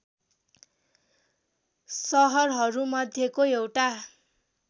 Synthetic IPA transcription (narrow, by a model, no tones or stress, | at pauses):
sʌɦʌrɦʌɾumʌd̪ʱjekoewʈa